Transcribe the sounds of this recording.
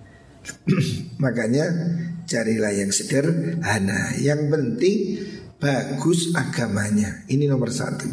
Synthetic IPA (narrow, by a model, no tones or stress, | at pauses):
makaɲat͡ʃaɾilahjaŋsəɡ̥ərhana̰jaŋpənt̪ɪŋb̥aɡ̥ʊsaɡ̥amaɲaininomərsa̰t̪u